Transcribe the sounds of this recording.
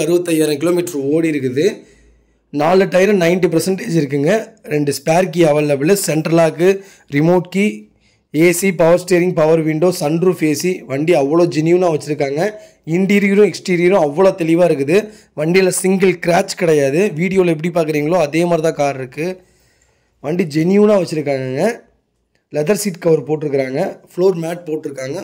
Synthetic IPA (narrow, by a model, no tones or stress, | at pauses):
ɐɾɯʋɐt̪ːɐjaːɾɐkɪloːmɪʈːɾ̃oːɽiɪɾɯkːɯðɯ | naːɭɯʈːɐjɪɾɯ̃nɐɪnʈ̬ipɐɾsɐɳʈeːd͡ʒɪɾɯk̬ːɯŋɡɐɾɛɳɖɯspaːɾk̬iɐʋeːlɐbɪlɐsɛɳʈɾɐlaːkɯ | ɾɪmoːʈ̚ki | eːsipɐʋɐɾsʈeːɾɪŋɡ̚pɐʋɐɾʋɪɳɖoːsɐɳɖɾɯfeːsiʋɐɳɖiɐʋːɐɭoːd͡ʒɛnjunaːʋɐt͡ʃːɪɾɯkːaːŋɡɐ | ɪɳʈiːɾɪjɾʊ̃ɛksʈiːɾɪjɐɾʊ̃ɐʋːɐɭoːt̪ɛlɪʋaːɪɾɯk̬ːɯðɯ | ʋɐɳɖɪjlɐsɪŋɡɐlkɪɾaːt͡ʃkɪɽɐjaːðɯʋiːɽɪjoːlɐɛp̬ːɐɽipːaːɾkɪɾiːŋɡɐɭoːɐðeːmaːd̪ɾɪt̪ãːkaːɾɪɾɯkːɯ | ʋɐɳɖid͡ʒɛnjuːnaːʋɐt͡ʃːɪɾɯkːaːŋɡŋɡɐ | lɛðɐɾsiːʈkɐʋɐɾpoːʈːɪɾɯkːɪɾaːŋɡɐfɭoːɾmaːʈ̚poːʈːɪɾɯkːaːŋɡɐ